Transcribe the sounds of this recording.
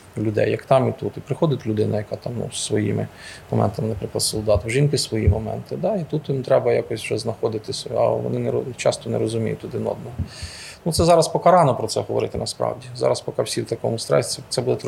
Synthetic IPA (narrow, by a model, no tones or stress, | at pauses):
lʲʊd̪ɛ̰jːɐkt̪ɑmit̪ut̪ipɾɪxɔd̪ɪtʲlʲʊd̪ɪnɐjɐkɑt̪ɑmnṵz̥sʋɔjḭmɪ̰mɔmɛ̰nt̪ɐmɪnɐpɾɪklˠɐd̪sɔlˠd̪ɑt̪ʒinkɪsʋɔjimɔmɛ̰nt̪ɪd̪ɑit̪ut̪jimt̪ɾɛbɐjakɔsʲwʒɛznɐxɔd̪ɪt̪ɪsɐ̰ʋɔ̰nɪnɛt͡ʃɑst̪ɔnɛ̰ɾɔzʊmʲijʊtʲt̪ːʊd̪ɪnɔ̰d̪̚nɔɦɔut̪sɛzɑɾɐspɔkɐɾɑnɔpɾɔt̪sɛɦɔʋɔ̰ɾɪt̪ɪnɐspɾɑ̰wdʲizɑ̰ɾɐspɔkɑwsʲiwt̪ɐkɔmʊst̪ɾɛ̰ɛsɛbud̪ɛt̪